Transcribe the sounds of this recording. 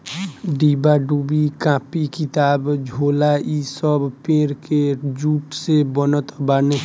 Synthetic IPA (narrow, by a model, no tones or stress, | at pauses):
ɖiːbaɖubikãːpikɪt̪aːbd͡ʒʱoːlaisəbpẽːɾked͡ʒuːʈsebənət̪baːne